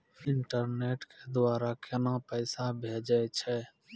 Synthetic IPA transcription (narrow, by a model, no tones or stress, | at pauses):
ɪɳʈəɾneːʈked̪aːɾakɪnãpəɪsabʱeːd͡ʒət͡ʃʰɛ